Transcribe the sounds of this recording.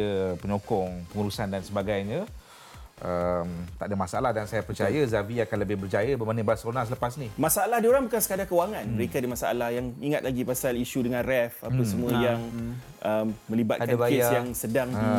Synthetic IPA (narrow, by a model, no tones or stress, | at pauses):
əpəɲokɔŋpəŋuɾusandansəbaɡajɲa | ʔəmt̪aʔdəmasaalahdansajapərt͡ʃajəzaviakanləbɪhbərd͡ʒajəbəmanəbaasonasələpasnimasaalahdioɾaŋbukansə̥kadakəwaŋanməɾekadimasa̰a̰lahjaŋiŋat̪̚laɡipasaliʃudəŋãnrɛfapəsəmũəjaŋ | ʔəmmːə̃liba̰t̪̚kanaesjaŋsədaŋ